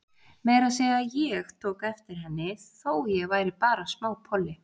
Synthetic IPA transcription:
meːjɾasɛːɣajɛɣt̪ʰoːwkɛft̪ɪɾ̥ɦɛnːɪθoːwjɛɣvaːjɾɪpaːɾasmaːwpʰɔlːɪ

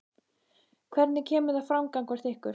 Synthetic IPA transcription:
kʰvɛɾt̪nɪcʰɛːmʏðafɾawmkaŋkvaɾ̥θɪhkʏɾ̥

